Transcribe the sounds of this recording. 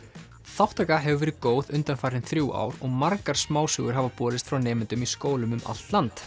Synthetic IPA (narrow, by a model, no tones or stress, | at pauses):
θawht̪akaɦɛvʏvɛːɾɪkoːwðʏnt̪anfaːɾɪnθɾjuwʔa̰ːwɾɔɣmaɾkaɾ̥smaːwsʏɣʏɾ̥ɦavapɔːɾɪst̪fɾawnɛːmɪnt̪ʏmiskoːwlʏmʏmʔa̰l̥t̪lant̪